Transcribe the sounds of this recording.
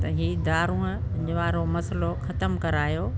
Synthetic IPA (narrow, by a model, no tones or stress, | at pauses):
t̪ɐɦid̪aːɾũə̃p | ʋaːɾomɐsloxɐt̪əmkɐɾaːjoː